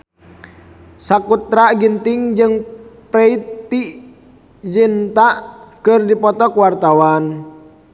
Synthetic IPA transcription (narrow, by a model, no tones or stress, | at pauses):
sakut̪ɾaɡint̪iŋd͡ʒɨŋpɾɛit̪ːiʔ | d͡ʒint̪aʔkɨrdipɔt̪ɔkwart̪awan